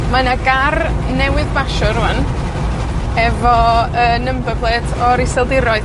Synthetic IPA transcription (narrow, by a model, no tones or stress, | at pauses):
manaɡar | nɛwɨðbaʃɔɾuan | ɛvɔənəmbəbʰlˠeːtʰɔɾɪsɛlˠdɪɾɔɨ